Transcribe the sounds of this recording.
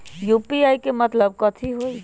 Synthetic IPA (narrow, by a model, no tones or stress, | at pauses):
jupiajkemət̪ləb̚kət̪ʰiɦoj